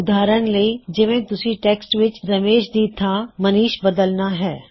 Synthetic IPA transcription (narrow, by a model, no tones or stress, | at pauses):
ʊd̪aːɾəñlɐid͡ʒɪʋẽt̪ʊsiʈeːksʈʋɪt͡ʃɾɐmeːʃd̪iːt̪ʰamɐniːʃbɐd̪əlnaɦɛː